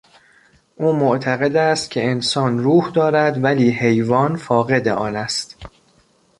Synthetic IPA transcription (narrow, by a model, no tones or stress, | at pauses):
ʔuːmoʔt̪ʰæɣe̞d̪æst̪cʰe̞ensɒːnruːhd̪ɒːɾæd̪væliːhe̞jvɒːnfɒːɣe̞d̪eʔɒːnæst̪